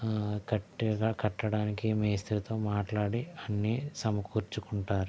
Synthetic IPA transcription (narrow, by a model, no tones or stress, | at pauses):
kɐʈːiɡaːkɐʈːɐɽaːnikimeːst̪ɐɾt̪o̞ːmaːʈlaːɽiɐnːisɐmɐkʰuːɾt͡ʃukuɳʈaːɾu